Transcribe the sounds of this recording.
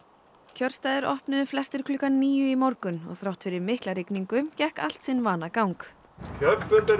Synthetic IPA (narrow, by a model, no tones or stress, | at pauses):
cʰœɾ̥st̪aːjðɪɾʔɔ̰hpnʏðʏflɛst̪ɪɾ̥kʰlʏːkanniːjʏimɔɾkʏnɔ̰ɣθɾawht̪fɪɾɪɾmɪhklaɾɪkniŋkʏmcɛhka̰l̥t̪sɪnːvaːnakawŋk | cʰœppʏt̪a